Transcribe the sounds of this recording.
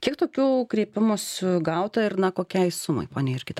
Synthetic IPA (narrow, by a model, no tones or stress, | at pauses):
kʲiɛkt̪oːkʲuːkɾʲiːpʲɪmusʲʊɡɐʊt̪ɐɪrnɐkoːkʲɛɪsʊmɐ̰ɪpoːnʲɛeːɪrkʲɪt̪